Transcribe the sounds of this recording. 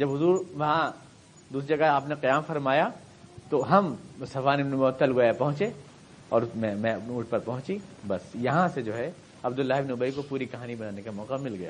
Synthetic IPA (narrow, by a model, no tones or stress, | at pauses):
d͡ʒɐbɦʊzuːɾʋɐɦã | d̪uːsid͡ʒɐɡaaːpneqɐjaːmfɐɾmaːja | t̪oɦɐmsɐfaːnɪbnmoːt̪ːɐlɡojapɐɦʊ̃t͡ʃe | ɔ̰ːɾmɛ̃mɛ̃uːʈ̚ʰpɐɾpɐɦʊ̃t͡ʃibɐsjɐɦãsed͡ʒoːɦɛ | ɐbd̪ʊlːaːɦɪbnʊbəikopuːɾikɐɦaːnibɐnaːnekamɔːqamɪlɡɐja̰ː